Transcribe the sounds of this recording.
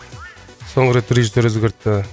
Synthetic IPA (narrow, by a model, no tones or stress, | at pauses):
soɴɾet̪ʰʊɾeʒiseɾɵzɡʲɪɾt̪ːɪ